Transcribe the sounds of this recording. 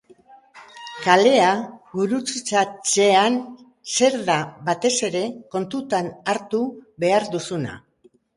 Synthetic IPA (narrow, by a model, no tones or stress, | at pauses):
kale̞aβuɾut͡sit͡sat͡se̞an | se̞ɾðaβat̪e̞se̞ɾe̞ko̞nt̪ut̪anaɾt̪uβe̞aɾd̪usuna̰